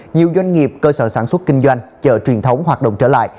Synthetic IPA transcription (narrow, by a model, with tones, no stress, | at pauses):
ɲi˨˩əwzwa˧jŋ̟ŋi˨˩əp̚kəː˧səː˧˩saː˧˩nswə˦˥t̚kï˧ŋ̟zwa˧jŋt͡ɕəː˧˩t͡ɕwi˨˩ənt̪ʰə˨˦wŋ͡mɦwaː˨˩t̚ɗo̰˧˨ŋ͡mt͡ɕəː˧˩la̰ː˧˨jʔ